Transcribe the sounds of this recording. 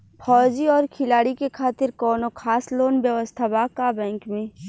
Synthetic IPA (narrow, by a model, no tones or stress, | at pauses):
pʰɔːd͡ʒiɔːɾkʰɪlaːɽikekʰaːt̪ɪɾkɔːnokʰaːsloːnbjəʋəst̪ʰabaːkabɛ̃ːŋkmẽː